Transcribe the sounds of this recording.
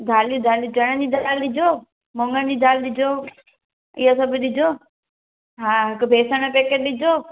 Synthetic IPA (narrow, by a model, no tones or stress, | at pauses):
d̪ʱaːlijũd̪ʱaːlɗɪd͡ʒɐɽ̃ə̃d͡ʑid̪ʱaːlɗɪd͡ʑʱoː | mõŋɡəniːd̪ʱaːlɗɪd͡ʑʱo | ɪɦas̬ɐbʱɪɗɪd͡ʒʱoː | ɦãːɦɪkbʱeːsəɽ̃əpeːkeʈ̚ɗɪd͡ʑʱoː